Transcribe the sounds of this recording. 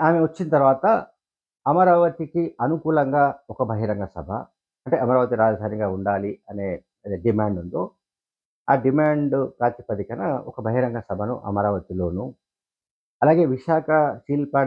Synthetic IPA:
aːmeʋɐt͡ʃːinɐt̪ɐɾʋaːt̪ɐ | ɐmɐɾaːʋɐt̪ikiʔɐnukuːlɐŋɡaːɔkɐbʱɐɦiɾɐŋɡɐsɐ̰bʱɐ̰ | ɐɳʈe̞ːʔɐmɐɾaːʋɐt̪iɾaːd͡ʒɐd̪ʱaːniɡaːuɳɖaːliɐne̞ː | ɐɖimaːɳɖunt̪oː | aːɖimaːɳɖkaːt̪ipɐd̪ikɐnɐɔ̰kɐbʱɐɦiɾɐŋɡɐsɐbʱɐnṵʔɐ̰mɐɾaːʋɐt̪ilo̞ːnu | ɐlaːɡe̞ːʋiʃaːkʰɐsiːlpa

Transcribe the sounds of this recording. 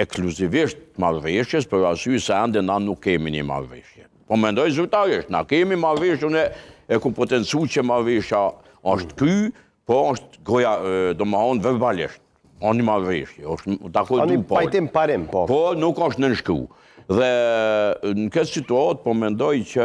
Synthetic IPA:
ɛksluziviʃt̪̚malrɛʃjɛs̬pəɾasysɛɛnd̪ɛnanukːɛminḭma̰rḭʃjɛ | pɔmɛnd̪ɔjzyɾt̪aɾiʃt̪na̰kɛmimaviʃunɛɛkupɔt̪ɛnsucəmaviʃa | ɔʃt̪ky | pɔɔʃt̪ɡɔjad̪ɔməhɔnvɛɾbalḭʃt̪̚ | ɔnnimarḭʃjɛɔʃt̪d̪akɔnd̪pɔajlt̪impaɾimpɔpɔnukɔʃt̪nənʃkṵ | ðɛ | nəkɛt̪sit̪uat̪̚pɔmɛnd̪ɔjt͡ʃə

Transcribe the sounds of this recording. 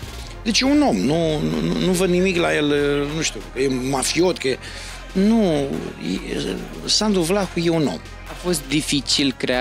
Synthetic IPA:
d̪et͡ʃeuno̞mnunṵnunuvəd̪nimiklajelnuʃt̪ukəjemafio̞t̪̚kə | nuj̰ | sand̪uvlaxujeuno̞̰m | afo̞st̪̚d̪ifit͡ʃilkɾea

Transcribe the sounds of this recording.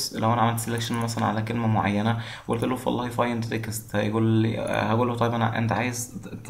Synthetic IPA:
slæwʔænæʕamælt̪selekʃænmæsælænʕa̰lækelmæmoʕa̰jːænæwʔo̰lt̪olːohfʔɑ̰lˤːɑːhifɑjend̪ɾekːezt̪hæɡuːlhæɡuːlːoht̪ˤɑjbænʔḛnt̪ʕaːjezt̪

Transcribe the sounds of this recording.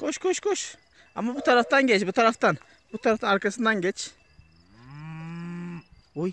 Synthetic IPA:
koʃkoʃkoʃ | a̰mabut̪aɾaft̪aŋɡet͡ʃbut̪aɾaft̪an | b̥ut̪aɾaft̪anaɾkəsnaŋɡet͡ʃ | oj

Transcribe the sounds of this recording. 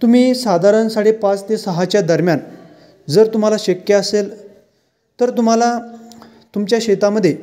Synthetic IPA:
t̪um̤iːsad̪ʱaɾənsaʈipat͡st̪esəɦat͡ɕjad̪əɾmjan | d͡zəɾt̪um̤alaɕəkjəəsel | t̪əɾt̪um̤ala | t̪umt͡ɕjaɕet̪aməd̪ʱːje

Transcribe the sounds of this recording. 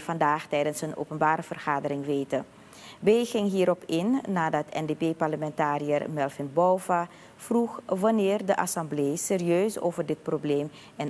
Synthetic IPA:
vɑndaːχtɛjdənsəno̰wpənbaːɾəvərχaːdəɾɪŋʋejtə | beːχɪŋɦiːɾɔpʰɪnːaːdɑtʰɛndepeːpɑɹləmɛntaːɾijərmɛlˠfɪnbɔwva | fruχʋɑnɪːrdəʔɑsɑmblejseːriøɥso̰wvərdɪt̚probleːm | ɛn

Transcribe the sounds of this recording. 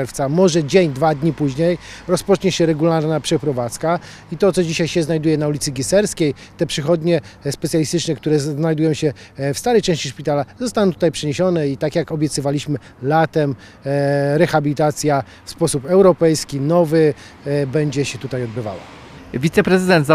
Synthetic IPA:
ɛɾft̪samɔʐɛd͡ʑeɲd̪vad̪ɲipuʑɲejɾɔspɔt͡ʂɲɛɕɛɾɛɡulaɾnapʂɛpɾɔvat̪ska | it̪ɔt̪sɔd͡ʑiɕajɕɛznajd̪ujɛnaulʲit̪sɘɡʲisɛɾskʲej | t̪ɛpʂɘxɔd̪ɲɛspɛt̪ʲjalʲist̪ɘt͡ʂnɛkt̪uɾɛznajd̪ujɔ̃w̃ɕɛ | fst̪aɾɛjt͡ʂɛ̃ɕt͡ɕiʂpʲit̪alazɔst̪anɔ̃t̪u̥t̪ajpʂɛɲeɕɔnɛit̪akjakɔbʲjɛt̪sɨvalʲiɕmɘ | lat̪ɛm | ɾɛxabʲilʲit̪at̪sʲja | fspɔsupɛwɾɔpɛjskʲinɔvɘ | bɛɲd͡ʑɛɕɛt̪ut̪ajɔd̪̚bɘva̰wa̰ | vʲit̪sɛpɾɛzɘd̪ɛnt̪za

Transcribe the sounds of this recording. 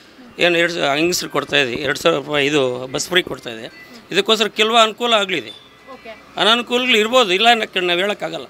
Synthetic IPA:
eːnɛɾɽɐŋɡisɾkoɽt̪aːjid̪eɛɾɽusaːɾɾupaːjid̪ubɐspɾiːkoɽt̪aːid̪eid̪ɐkːoːsɐɾɐkɛlɐʋɐɐnukuːlɐaːɡliid̪e | ɐnɐnukuːlɐɡɐɭiɾbo̞ːd̪uilːɐnɐkɐnaːʋeːɭɐkːaːɡɐlːɐ̰

